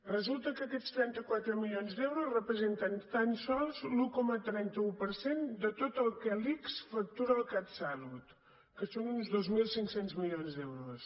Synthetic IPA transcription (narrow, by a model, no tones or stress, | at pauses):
rəzulˠt̪əkəkɛtst̪ɾɛnt̪əkwat̪ɾəmilionzd̪ɛwɾusrəpɾəzent̪ənt̪ansɔlˠzlukɔmət̪ɾɛnt̪əupəɾsend̪ət̪ot̪əlˠkɛliksfək̚t̪uɾəːlˠkat̪salut̪ | kəsonunzðozmilˠsiŋksenzmilionzd̪ewɾus